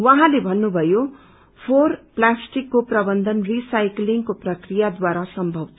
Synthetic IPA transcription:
wʌɦãlebʱʌnːubʱʌjo | pʰorplasʈikːoprʌbʌnd̪ʱʌnrisajkliŋkoprʌkrijad̪waɾasʌmbʱʌbt̪ʰ

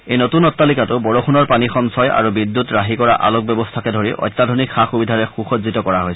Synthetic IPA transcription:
ejnotunɔtːalikatʊbɔɹɔxunɔɹpanixɔmsɔja̰ɹubidːutɹaɦikɔɹa̰ʔa̰lɔk̚bɔbɔstʰakɛdʱoɹiʔɔ̰jtːadʱɔnikxaxubidʱaɹɛxuxɔtzitɔkɔɹaɦojsɛ

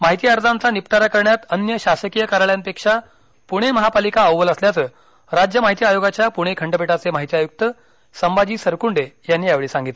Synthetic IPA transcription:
maɦit̪iːaɾd͡zant͡sanipt̪aɾakəɾɳjat̪ənjəɕasəkijəkaɾɭjampekʂa | puɽ̃eməɦapalikaəwʋələsljat͡səː | ɾad͡ʑjəmaɦit̪iajoɡat͡ɕjapuɽ̃ekʰəɳɖəpeʈat͡semaɦit̪iajuk̚t̪ə | səmbad͡ʑiːsəɾkuɳɖejanːiːjaʋɭiːsãŋɡit̪le

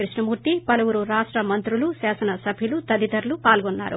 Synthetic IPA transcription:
ɾiʂɳɐmuːɾt̪ipɐlɐwuɾuɾaːʂʈɾɐmɐnt̪ɾulusaːsɐnɐsɐbʱilut̪ɐd̪it̪ɐɾlupaːlɡɔnːa̰ːɾṵ

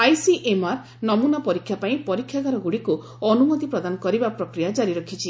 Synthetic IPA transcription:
ajsiʔemaɾ | nɔmunapɔɾikʰːjapaĩpɔɾikʰːjaɡaɾɔɡuɽiku | ɔnumɔt̪ipɾɔd̪anɔkɔɾibapɾɔkɾijad͡ʒaɾiɾɔkʰit͡ʃʰi

